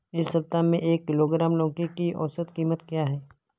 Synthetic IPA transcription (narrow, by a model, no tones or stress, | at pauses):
ɪsːɐb̚t̪amẽʔeːkːɪloːɡɾaːmlõːkekiɔ̰ːsət̪kiːmət̪kjaːɦɛː